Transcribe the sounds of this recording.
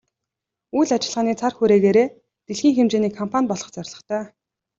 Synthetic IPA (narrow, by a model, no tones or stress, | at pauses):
ujɮat͡ɕɪ̆ɮʁaːniːt͡sʰarxuɾeːɣeːɾeː | t̪eɮxiːŋxemt͡ɕeːniːkʰɔmpʰanʲpɔɮʁɞ̆χt͡sœrʲɮɞ̆χt̪ʰœː